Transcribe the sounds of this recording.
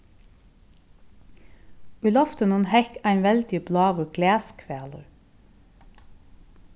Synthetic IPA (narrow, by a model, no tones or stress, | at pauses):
ʉlɔft̪ənunhɛkæɪnʋɛld̪iblɑːʋʉɡleːskʰʋeːlə̰